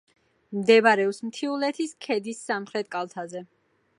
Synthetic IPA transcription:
md̪ɛvaɾɛɔpsmt̪ʰiulɛt̪ʰiskʰɛd̪isːamχɾɛt̪̚kʼalˠt̪ʰazɛ

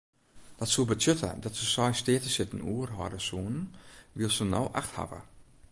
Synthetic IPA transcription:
d̥ɔtsubətøtʰə̰dɔtsəsɔjsteːtəsɪtn̩uːərɦɔ̰ːdəsuːnnʋilˠsənɔ̰wʔa̰xtha̰və̰

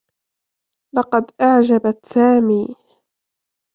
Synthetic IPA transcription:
lɑqɑd̪ʔaʕd͡ʒabat̪saːmiː

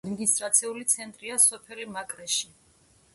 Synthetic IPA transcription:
d̪miɡ̪ist̪ʼɾat̪sʰiulit̪sʰɛnt̪ʼɾiasɔpʰɛlimakʼɾɛʃi

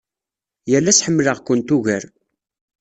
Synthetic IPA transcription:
jəlːæsħəmːləʁkʷʊnt̪uʝəɾ

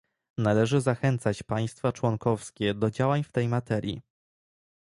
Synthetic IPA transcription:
nalɛʐɘzaxɛnt̪sat͡ɕpaj̃st̪fat͡ʂwɔŋkɔfskʲɛd̪ɔd͡ʑawaɲft̪ɛjmat̪ɛɾʲjḭ

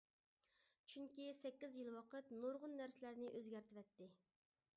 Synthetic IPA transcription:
t͡ʃʰyŋkʲisɛkʲːizjilˠwɑqət̪noɾʁʊnːæɾsɪlæɾnɪʔøzɡʲæɾt̪ʰɪwɛt̪ːɪ

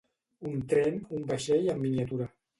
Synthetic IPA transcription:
unt̪ɾɛnumbəʃeʎəmːiniat̪uɾə

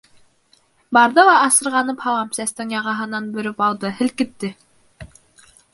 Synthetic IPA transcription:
bɑɾðɤlˠɑːsɤ̆ɾʁɑnɤphɑlˠɑmsæst̪ɘŋjɑʁɑɦɤ̆nɑnbɵ̆ɾɘpɑlˠd̪ɤhɘ̆lkɘ̆t̪ːɘ

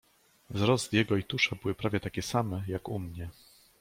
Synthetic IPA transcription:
vzɾɔzt̪jɛɡɔit̪uʂabɘwɘpɾavʲjɛt̪akʲɛsamɛjakumɲɛ

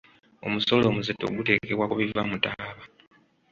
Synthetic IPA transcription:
o̞̰muso̞lo̞ːmuzetːo̰ɡute̞ːke̞βwakuβivamutaβa

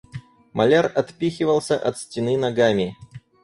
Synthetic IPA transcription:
mɐlʲarɐt̪pʲixʲɪvəlˠsʲəʔɐt̪sʲtʲɪnɨnɐɡamʲɪ

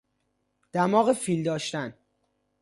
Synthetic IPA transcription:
d̪̥æmɒːɣefiːld̪ɒːʃt̪æn

